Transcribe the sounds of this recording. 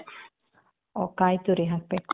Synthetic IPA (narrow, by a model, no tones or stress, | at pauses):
okajt̪uɾiɦak̚pe